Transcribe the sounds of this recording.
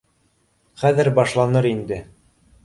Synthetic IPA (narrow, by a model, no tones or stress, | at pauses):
χæðɘɾbɑʃlˠɑnɤɾind̪ɘ